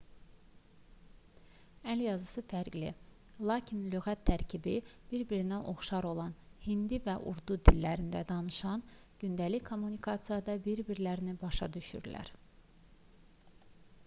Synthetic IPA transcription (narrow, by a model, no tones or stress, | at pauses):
æljɑzɯsɯfæɾɡlḭ | lˠɑːcʰinløɣæt̪ʰːæɾcʰibib̥iɾbiɾinænʔo̞χʃɑɾo̞lˠɑnhind̪ivæʔuɾd̪ud̪ilːæɾind̪æ̰d̪ɑnɯʃɑn | ɟ̥ynd̪ælikʰo̞mːunikʰɑt̪sɨjɑd̪ɑbiɾbiɾlæɾinibɑʃɑd̪yʃy̰ɾlæ̰ɾ